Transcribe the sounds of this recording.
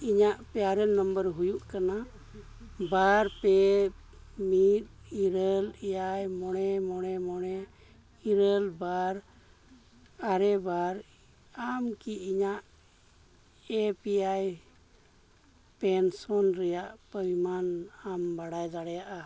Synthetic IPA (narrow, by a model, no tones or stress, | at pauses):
iɲaʔpɛaɾɛnːəmbəɾɦujuʔkana | baɾpɛ | mit̪̚iɾəlɛjajmɔɽ̃ɛmɔɽ̃ɛmɔɽɛ | iɾəlbaɾ | aɾɛbaɾ | amkiiɲaʔ | ɛpɛjaj | pɛnsɔnɾɛjaʔpəwimanambaɽajd̪aɽɛjaʔa